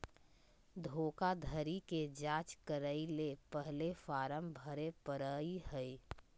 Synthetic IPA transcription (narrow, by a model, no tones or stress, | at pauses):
d̪ʱoːkad̪ʱəɾiked͡ʒãːt͡ʃkəɾəilepəɦlefaːɾəmbʱəɾepəɾəihəi